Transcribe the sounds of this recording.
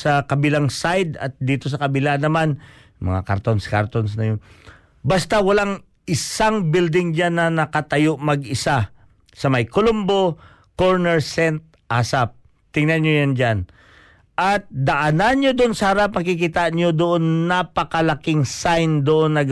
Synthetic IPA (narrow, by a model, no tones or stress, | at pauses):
sɐkɐbɪlaŋsajd̪ɐ̰t̪̚d̪iːt̪o̞s̬ɐkɐbɪlanɐman | mɐ̰ŋa̰kɐ̰ɾt̪onskaɾt̪onsnɐjon | bast̪awɐlaŋ | ɪsaŋbild̪ɪŋd͡ʒanːɐnɐkɐt̪ɐjoʔmɐɡɪsa | sɐmɐjkolʊmbo̞ | koɹnɛɹsɛnt̪̚ | ʔasap̚ | t̪ɪŋnɐnjojand͡ʒan | ʔɐt̪̚d̪ɐʔananɲod̪oʔonsɐhɐɾap̚nɐɡkɪkit̪aɲod̪oʔonːapɐkɐlɐkɪŋsajnd̪oʔonːɐɡ